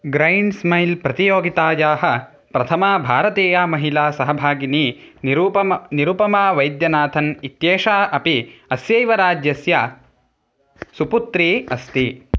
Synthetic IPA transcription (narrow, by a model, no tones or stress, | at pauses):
ɡɾɐjnsmɐjlpɾɐt̪ijoːɡit̪aːjaːɦɐ̆ | pɾɐt̪ʰɐmaːbʱaːɾɐt̪eːjaːmɐɦilaːsɐɦɐbʱaːɡiniːupɐniɾupɐmaːʋɐjd̪jɐnaːt̪ʰɐnit̪jeːʃaːɐpiɐsjɐjʋɐɾaːd͡ʒjɐsja | suput̪ɾiːɐst̪i